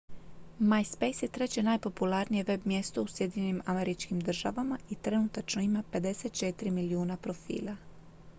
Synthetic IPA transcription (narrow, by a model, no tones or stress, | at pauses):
majspe̞jsje̞t̪ɾe̞t͡ɕe̞najpo̞pulaɾnije̞ʋe̞bmje̞st̪o̞usje̞d̪iɲenʲimame̞ɾit͡ʃkimd̪r̩ʒaʋamait̪ɾe̞nut̪at͡ʃnoimape̞d̪e̞set̪t͡ʃe̞t̪iɾimiliuːnapɾo̞fḭːla